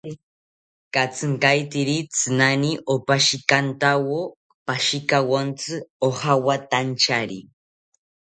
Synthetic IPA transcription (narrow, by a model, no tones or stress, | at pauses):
kat͡sɨŋkajt̪iɾit͡sɨnaniʔopaʃikant̪awo | paʃikawont͡sɨohawat̪ant͡ʃaɾḭ